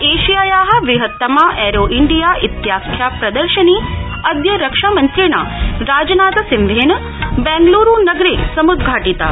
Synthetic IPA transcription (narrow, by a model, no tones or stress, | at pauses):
eːʃijajaːɦɐ̆ʋiɦət̪ːəmãʔɛɾoʔɪɳɖijaʔɪt̪jaːskʰjapɾɐd̪əɾʃəni | ɐd̪jəɾəkʃamənt̪ɾina̰ɾaːd͡ʒnaːt̪ɐsɪmʋeːn | bɛ̃ŋɡluɾunɐɡɾisɐmud̪̚ɡʱaːʈit̪a̰